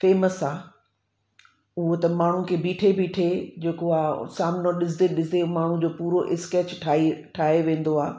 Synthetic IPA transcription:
feːməsaː | ʊɦot̪ɐmaːɳ̤ũkʰeːbiːʈʰebiːʈʰed͡ʑeːkoaːsaːmnoɗɪs̬d̪eɗɪsd̪emaːɳ̤ũd͡ʑoːpuːɾoʔɪskeːt͡ɕʈʰaiʈʰaːɦeʋẽːn̆d̪oaː

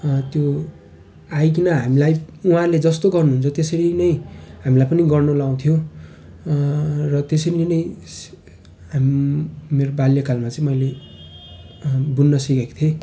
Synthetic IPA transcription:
t̪jo | ajk̬inʌɦamilajuɦãrled͡zʌst̪oɡʌrnuɦunt͡sʰʌt̪esʌɾinʌj̃ɦamilajpʌniɡʌrnolaw̃t̪ʰijõ | rʌt̪esʌɾilenʌj̃ | amimeɾobaljʌkalmat͡sʌĩmʌjle | bunːʌsikaki̥t̪ʰe

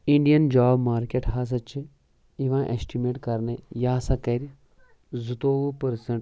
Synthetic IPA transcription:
ĩɳɖijɐnd͡ʒaːbmaːɾkeʈɦaːs̬ɐt͡ʃʰi | iʋãːʔḛsʈimeːʈkɐɾnejaːsɐkɐɾ | zut̪oːʋupəɾsɐɳʈ

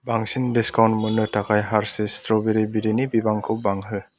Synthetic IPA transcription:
baŋsindiskawntmɯnɯtakʰajɦaɾsestɾɔbeɾibiɾinibibaŋkʰɯwbaŋɦɯ

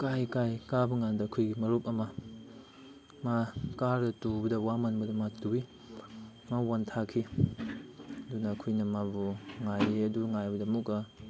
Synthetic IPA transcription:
kajkajkabuŋandɐɐkʰujɡimɐɾup̚ɐmɐ | makaɾdɐtubɐdɐwamanbɐdɐmatui | mawantʰakʰi | ɐdunɐːkʰujnɐmabuŋajɐduŋajbɐdɐmukɐ

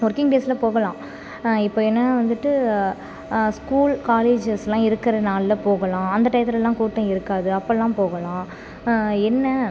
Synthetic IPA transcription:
mɔɾkɪŋɡʈeːslɐpoːɣɐlãː | ɪpːoːɛnːɐʋɐnd̪ɯʈːɯ | skuːlkaːleːd͡ʒɐsɛlãːɪɾɯkːɪɾɐnaːlːɐpoːɣɐlãːɐnd̪ɐʈɐjt̪ːɪɾɛlːãːkuːʈːɐ̃ɪɾɯkːaːðɯɐpːɐlːãːpoːɣɐlãː | ɛnːɐ

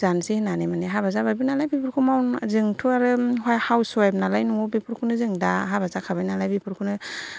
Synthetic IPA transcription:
zansihinanemaniɦabazabajbinalajbipʰuɾkʰumawnzɯŋtʰuaɾɯhajhawsɔjp̚nalajnuɔbipʰuɾkʰunɯzɯŋdaɦabazakʰabajnalajbipʰuɾkʰunɯ

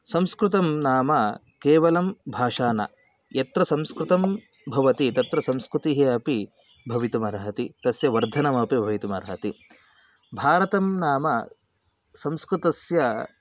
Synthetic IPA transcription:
sɐmskɾut̪ɐmnaːmɐ | keːʋɐlɐmbʱaːʂaːnɐ̰ | jɐt̪ɾɐsɐ̃mskɾut̪ɐm | bʱɐʋɐt̪it̪ɐt̪ɾɐsɐmskɾut̪iɦeɐpi | bʱɐʋit̪umɐɾɐɦɐt̪it̪ɐsjɐʋɐɾd̪ʱɐnɐmɐpibʱɐʋit̪umɐɾɐɦɐt̪i | bʱaːɾɐt̪ɐmnaːmɐ̰ | sɐmskɾut̪ɐsjɐ

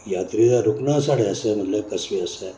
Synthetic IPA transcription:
jat̪ɾid͡zaɾuknasaɽeəsem̤əʈlekəsʋiəse

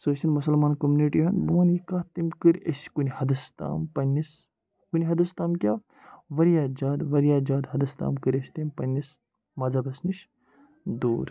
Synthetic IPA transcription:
sosinmusɐlmaːnkɐmuniʈiɦɐnboːnikaːt̪imkɨɾḛskunʲihɐd̪ɐst̪a̰ːmpɐnʲːis | kuniɦɐd̪ɐst̪aːmkʲaː | ʋɐɾijad͡ʒaːd̪ʋɐɾijaːd͡ʒaːd̪ɦɐd̪ɐst̪a̰ːmkɨɾʲesʲt̪impɐnʲːis | mɐːzabɐsniʃ | d̪ṵːɾ

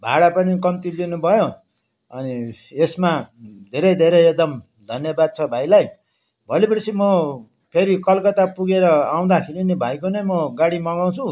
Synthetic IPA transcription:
bʱaɽapʌnikʌmt̪ilinubʱʌjo | ʌniesmad̪ʱeɾʌjd̪ʱeɾʌjek̚d̪ʌm | d̪ʱʌnjʌbad̪̚t͡sʰʌbʱajlaj | bʱʌlipʌrsʰimʌ | pʰeɾikʌlkʌt̪apuɡeɾʌaw̃d̪akʰiɾinebʱajkonʌjmʌɡaɽimʌɡaw̃t͡sʰu

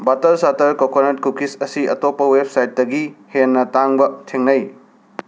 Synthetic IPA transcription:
batɐɾsatɐɾkokonet̚kukisɐsiʔɐtopːɐweb̚sajtːɐɡihenːɐtaŋbɐtʰeŋnɐj

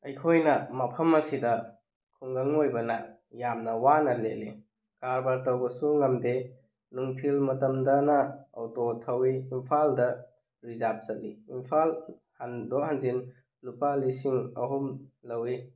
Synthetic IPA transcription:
ɐjkʰojnɐmɐpʰɐmɐsidɐ | kʰuŋɡaŋojbɐna | jamnɐwanɐleli | kaɾbaɾtɐwbɐsuŋɐmde | nuŋtʰilmɐtɐmdɐnɐɐ̰wtotʰɐwiːmpʰaldɐ | ɾizap̚z̥ɐtliimpʰal | handoɦanzin | lupalisiŋɐ̰ɦumlɐwi

